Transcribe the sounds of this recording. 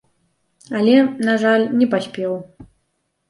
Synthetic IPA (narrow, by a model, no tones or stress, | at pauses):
alʲɛnaʐalʲnʲɛpasʲpʲɛw